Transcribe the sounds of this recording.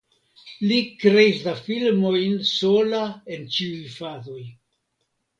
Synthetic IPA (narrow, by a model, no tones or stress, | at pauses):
likɾe̞islafilmo̞jnso̞lae̞nt͡ʃiujfazo̞j